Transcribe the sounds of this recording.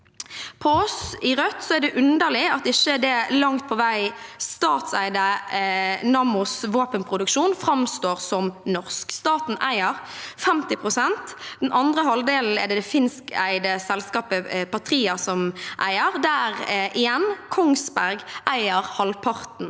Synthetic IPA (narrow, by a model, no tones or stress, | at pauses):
pʰɔɔsɪʁœt̪sɔæd̪ɛʔʉnd̪əlɪɑt̪ɪçəd̪ɛlɑŋt̪̚pʰɔʋæɪst̪ɑːt̪sæɪd̪ə | nɑːmʊsʋoːpənpʰʁʊd̪ʉkʃuːnfɾɑmst̪oːʁsɔmnɔʁskst̪ɑːt̪n̩ʔæ̰ɪəʁfɛmt̪ɪpʰʁʊsɛnt̪d̪ɛnʔɑnd̪ʁəɦɑld̪eːln̩ɛ̰d̪ɛd̪ɛfɪnskæ̰ɪd̪əsɛlskɑːpəpʰɑt̪ʰɾiːɑsɔmʔæɪəʁd̪æʁʔɪjɛnkʰɔŋsbæʁɡʔæɪəʁhɑlpʰɑʁt̪n̩